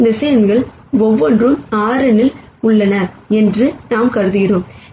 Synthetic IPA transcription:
nd̪ɐsɐjɐnɡɐɭ | ɔʋːɔndrɯmaːɾɐnɪl | ʊɭːɐnɐɾ | ɛndrɯnaːmkɐɾɯðɯɣɪroːm

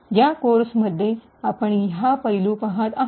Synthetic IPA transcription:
jjakoɾsməd̪ʱːje | apəɳjapəjluːpaɦat̪a

